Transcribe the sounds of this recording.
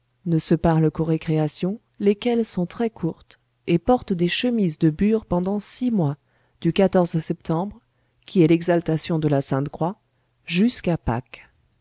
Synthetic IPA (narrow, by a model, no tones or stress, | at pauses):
nəsəpaʁləkoʁekχeasjɔ̃ | lekʲɛlsɔ̃t̪χɛkʰuʁt̪ | epɔʁt̪d̪eʃəmizd̪əbyʁpɑ̃d̪ɑ̃simwa | d̪̥ykat̪ɔʁzsɛpt̪ɑ̃bʁ | kʲʰiɛlɛɡzalt̪asjɔ̃d̪əlasɛ̃t̪kχwa | ʒyskapa̰k